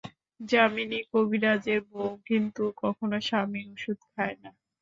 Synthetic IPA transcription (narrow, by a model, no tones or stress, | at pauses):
d͡ʑaminikobʱiɾad͡ʑeɾboɡʱint̪ukɔkʰonoʃamioʃud̪̚kʰaena